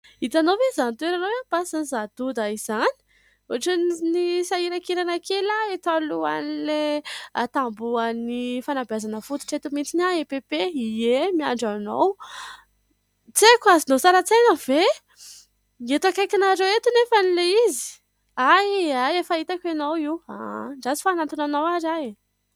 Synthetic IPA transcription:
it̪anovezant̪ueɾanowanpasanizad̪̥ud̪aiz̥ani̥ | oʈ͡ʂannisaiɾakiɾanakelaet̪aluanileat̪ambuənifanabjazanəfut̪u̥ʈ͡ʂet̪umint͡sinaepepeiemia̰ɳɖ͡ʐano̰w | t͡sekuazinosaɾat͡sejnəv̥e | et̪uakajkanaɾewet̪unefanileizi̥ | ajajefait̪akʲenowiwa̰ɳɖ͡ʐazi̥fanant̪unanawaɾae

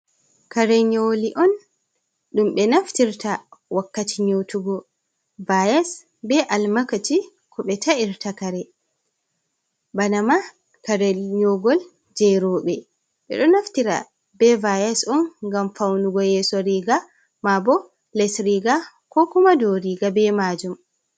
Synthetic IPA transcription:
kaɾɛɲoliʔɔn | ɗumɓɛnaftiɾtawakːatiɲotuɡɔ | vajɛs | bɛʔalmakati | kʰɔɓɛtaiɾtakaɾɛ | banama | kaɾɛlɲoɡɔl | d͡ʒɛɾɔːɓɛ | ɓɛ̰ɗɔnaftiɾa̰ | bɛvajasɔnɡamfawnuɡɔjɛːsɔɾiɡa | mabɔ | lɛsɾiɡa | kɔkumadɔɾiɡabɛmad͡ʒum

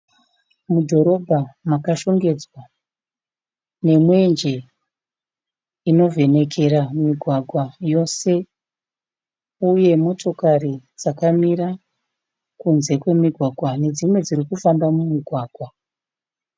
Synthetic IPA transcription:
mudʱo̞ɾo̞bʱamakaʃo̞ŋɡe̞d͡zwa | ne̞mwe̞nd͡ʒe̞ | ino̞ve̞ne̞kʰe̞ɾamiɡʱwaɡʱwajo̞se̞ | uje̞mo̞to̞kaɾid͡zakamiɾa | kunze̞kwe̞miɡʱwaɡʱwane̞d͡zimwe̞d͡zirikufambamumiɡʱwaːɡʱwa

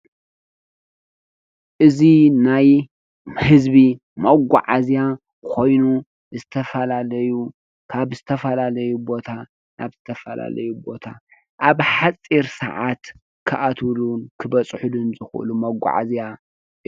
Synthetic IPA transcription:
ʔɨzinaj | hɨzbi | mɐɡʷa̰ʕazija | kʰo̞jnu | zɨt̪ʰɐfɐlalɐju | kʰaβzɨt̪ʰɐfɐlalɐjubo̞t̪ʰa | nʔa̰βz̥ɨt̪ʰɐfɐla̰lɐ̰jubo̞t̪ʰa | ʔaβħat͡sʼiɾsɐ̰ʕat̪ | kʰɨʔat̪ʰulunkʰɨbɐt͡sʼħud̪ɨnzɨxʔlumɐɡʷa̰ʕa̰zija

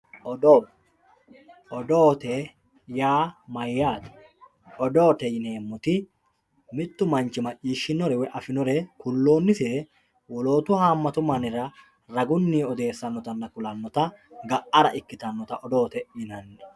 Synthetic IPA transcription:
ʔɔd̪oː | ʔɔd̪o̞ːt̪ɛ | jaːmɐjːaːt̪ɪ̥ | ʔɔd̪o̞ːt̪ɛjɪne̞ːmːɔt̪ɪ | mɪt̪ːʊmɐnt͡ʃɪmɐt͡ʃːiːʃːɪnɔɾɛwɛʔɐfɪnɔɾɛkʊlːo̞ːnːɪseː | wɔlo̞ːt̪ʊhaːmːɐt̪ʊmɐnɪrɐ | ɾɐɡʊnːiːɔd̪e̞ːsːɐnːɔt̪ɐnːɐkʊlɐnːɔt̪ɐɡɐʔɐɾɐʔɪkːɪt̪ɐnːɔt̪ɐʔɔd̪o̞ːt̪ɛjɪnɐnːɛ̥

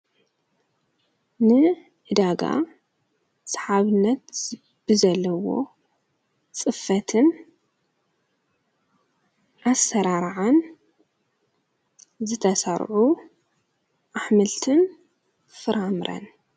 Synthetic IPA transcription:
nɨ | ʔɨd̪aɡa̰ | sḁħaβɨnːɐt̪ | b̥ɨzɐlːɐwo̞̰ | t͡sʼɨfɐt̪ʰɨn | ʔasːɐɾaɾʕan | zɨt̪ʰɐsɐɾʕu | ʔaħmɨlt̪ʰɨn | fɨɾamɾʔɐ̰n

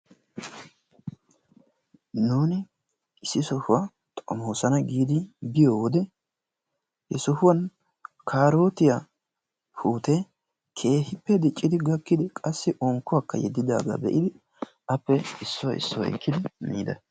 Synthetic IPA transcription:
nuːnɪ | ɪsːɪsɔhʊwa | t̪ʼɔmoːsɐnɐɡiːd̪ɪbɪjoːwd̪ɛ | hɛsɔhʊwɐn | kʰaːɾo̞ːt̪ɪja | pʰuːt̪ɛ | kʰe̞ːhɪpːɛd̪ɪt͡ʃʼːɪd̪ɪɡɐkːɪd̪ɪkʼɐsːɪʔɔŋkːʊwakːɐ̰jɛ̰d̪ːɪd̪a̰ːɡa̰bɛ̰ʔɪd̪ɪ | ɐpːɛɪsːɔwʔɪ̰sːɔw̰ɛ̰kʰːɪd̪ɪmḭːd̪ɐ

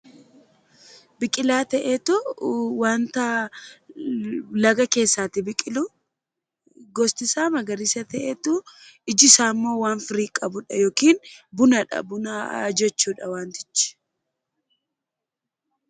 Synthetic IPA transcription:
bɪkʼɪlaːt̪ɛʔeːt̪ʊwaːnt̪ɐ | lɐɡɐke̞ːsːaːt̪ɪbɪkʼɪlʊ | ɡɔst̪ɪsaːmɐɡɐɾɪsɐt̪ɛʔeːt̪ʊɪd͡ʒɪsaːmːo̞ːwaːnfɪɾiːkʼɐbʊᶑɐjoːkiːnbʊnɐᶑɐ̰bʊnɐd͡ʒɛt͡ʃːuːᶑɐwaːnt̪ɪ̥t͡ʃːɪ̥

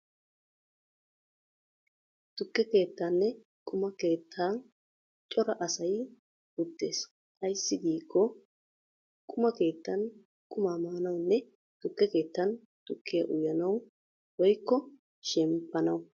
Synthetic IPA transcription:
t̪ʊkːɛke̞ːt̪ːaːnːɛ | kʼʊmɐke̞ːt̪ʰːaː | t͡ʃʼɔɾɐʔɐsɐj | ʊd̪ːe̞ːs | kʼɐjsːɪɡiːkʰːɔ | kʼʊmɐke̞ːt̪ːɐn | kʼʊmaːmaːnɐwnːɛ | t̪ʊkːɛke̞ːt̪ːɐn | t̪ʊkʰːɪjɐ̰ʔʊjɐnɐw | wɔjkːɔ | ʃɛmpːɐnɐw

